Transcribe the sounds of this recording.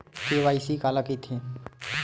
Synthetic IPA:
kiʋaːisikaːlakit̪ʰĩ

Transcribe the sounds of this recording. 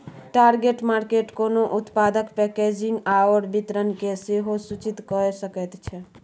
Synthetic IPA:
ʈaɾɡeʈmaɾkeʈkonoʔut̪pad̪əkpɛked͡ʒiŋɡawəɾbit̪ɾənkeseɦosut͡ʃit̪kɔɾesəkət̪t͡ʃʰɛ

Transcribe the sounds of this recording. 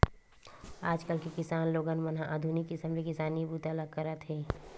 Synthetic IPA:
aːd͡ʒkəlkekɪsaːnloːɡənmənɦãʔəd̪ʱunɪkːɪsəmlekɪsaːnibuːt̪ələɡ̚kəɾət̪ɦɛː

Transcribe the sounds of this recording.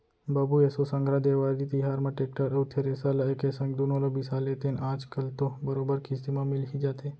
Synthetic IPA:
bɐbuesosɐ̃ŋɡʱɾad̪eːʋaːɾd̪it̪iɦaːɾmãʈeːk̚ʈəɾɐwt̪ʰeɾesalaekesɐ̃ŋɡd̪onõlobɪsaːleːt̪enaːd͡ʒkɐlt̪obɐɾoːbəɾkisimãmɪlkid͡ʒaːt̪e

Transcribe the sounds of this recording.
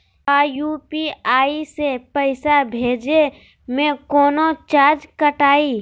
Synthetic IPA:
aːjupiaːisepəɪsabʱeːd͡ʒe | mẽkɔːnot͡ʃaːd͡ʒkəʈaːi

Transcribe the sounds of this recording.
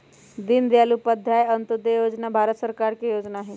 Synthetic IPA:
d̪ind̪jalupəd̪ʱjajənt̪əd̪ejod͡znabʱaɾət̪səɾkaɾkejod͡znaːɦe

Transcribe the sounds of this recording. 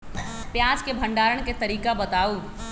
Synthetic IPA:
pjãːd͡ʒkebʱɐ̃ɳɖaːɾəɽ̃ket̪ɐɾiːkabɐt̪aːuː

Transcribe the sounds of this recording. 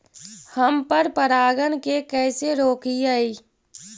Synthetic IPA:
həmpəɾpəɾaːɡənkekɛːseɾoːkiaiː

